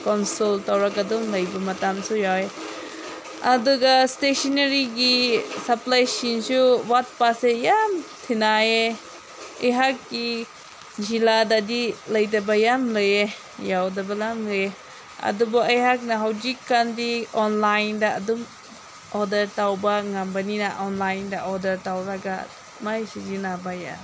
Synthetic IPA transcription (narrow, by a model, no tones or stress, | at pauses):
kɔnsɔltawɾakadɔmlɐjbɐmɐtamsujawe | ɐduɡastesɔneɾiɡisɐplajsinsuwat̚pasejamtʰinae | ɐjɦak̚ːi | d͡ʒiladadilɐjdabajamləje | jawdabalamlɯje | ɐ̰dubɔajɦak̚naɦawzikːandiɔnlajndaa̰dum | ɔdɐɾtawbaŋambaninaʔɔnlajndaʔɔdɐɾtawɾaɡa̰ | majsizinabaja̰